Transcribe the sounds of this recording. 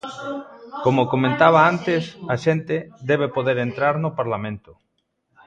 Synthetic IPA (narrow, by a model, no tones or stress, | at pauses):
komokomẽnt̪aβ̞aant̪ɪsaʃent̪ed̪ɛβ̞epoðeɾent̪ɾaɾnʊpaɾlamẽnt̪ʊ